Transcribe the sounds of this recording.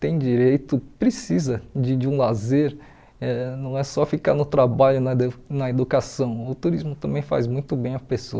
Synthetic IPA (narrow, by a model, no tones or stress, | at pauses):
t̪ẽj̃d͡ʒiɾejt̪ʊpɾesizɐd͡ʒɪd͡ʒɪũlazeɾ | ɛnɐ̃w̃ɛsɔfika̰ɾnʊt̪ɾabaʎʊnɐnɐed̪ukasɐ̃w̃ʊt̪uɾizmʊt̪ɐ̃mbẽj̃fa̰zmũj̃t̪ʊbẽj̃ɐpeso̰ɐ